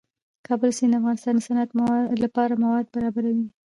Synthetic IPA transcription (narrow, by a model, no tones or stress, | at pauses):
kʰɑbəlsind̪əafɣɑnɪst̪ɑnd̪əsanat̪lapɑɾamawɑd̪̚baɾɑbaɾawi